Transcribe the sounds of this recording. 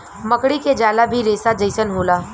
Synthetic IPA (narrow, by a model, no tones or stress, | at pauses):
mɐkɽiked͡ʒaːlabʱiɾeːsad͡ʒɐɪsənɦoːlaː